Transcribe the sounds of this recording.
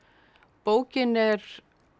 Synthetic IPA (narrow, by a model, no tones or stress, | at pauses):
poːwcɪnɛɾ